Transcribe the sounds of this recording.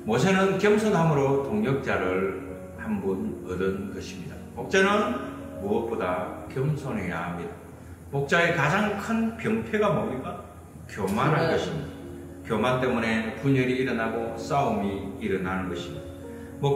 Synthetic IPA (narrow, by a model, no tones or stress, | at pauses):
mʌs̬ʰenɯnkjʌmsʰonɦamɯɾotoŋɲjʌk̚t͡ɕ͈aɾɯɭ | hambunʌdɯnɡʌɕʰimɲidamok̚t͡ɕ͈anɯn | muʌp͈odakjʌmsʰonɦe̞ja̰hamɲida | mok̚t͡ɕ͈ae̞kad͡ʑaŋkʰɯnpjʌŋpʰe̞ɡamʌmik͈a | kjʌmanɦanɡʌɕʰimɲida | kjʌmant͈e̞mune̞puɲʌɾiːɾʌnaɡos͈aumiːɾʌnanɯnɡʌɕʰimɲid̥a | mok